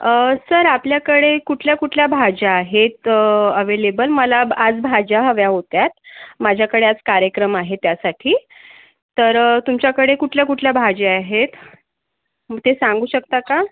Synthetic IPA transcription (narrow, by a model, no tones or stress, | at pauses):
əsəɾapljakəɽekuʈʰljakuʈʰljabʱad͡ʑaːɦet̪əəʋelebəlməlaad͡zbʱad͡ʑaɦəʋjaɦot̪jat̪mad͡ʑʱjakəɽead͡zkaɾjəkɾəmaɦet̪jasaʈʰiː | t̪əɾt̪umt͡ɕjakəɽekuʈʰljakuʈʰljabʱad͡ʑeaɦet̪ | mət̪esãŋɡuːɕək̚t̪aka